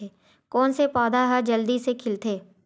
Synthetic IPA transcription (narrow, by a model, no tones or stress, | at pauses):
eː | kɔːnsepɔːd̪aɦad͡ʒəld̪isekʰɪlt̪ʰeː